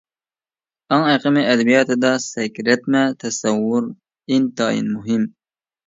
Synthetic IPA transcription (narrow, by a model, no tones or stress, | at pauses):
ɑŋæqəmɪʔɛd̪ɛbijɑːt̪ʰɨd̪ɑsɛkʲɾɛt̪mɛt̪ʰɛsɛwːʊɾ | int̪ɑːjḭnmuɦɪm